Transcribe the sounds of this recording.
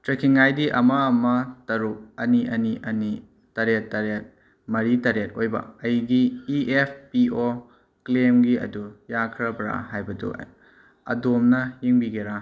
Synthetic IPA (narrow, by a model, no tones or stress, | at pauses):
tɾekʰiŋːajdiʔɐmɐɐmɐtɐɾuk̚ɐniʔɐniʔɐni | tɐɾetːɐɾet̚ | mɐɾitɐɾet̚ojbɐ̰ɐjɡiːepʰpio | klemɡiɐ̰dujakʰɾɐbɾa̰hajbɐdṵ | ɐ̰domnɐjiŋbiɡiɾa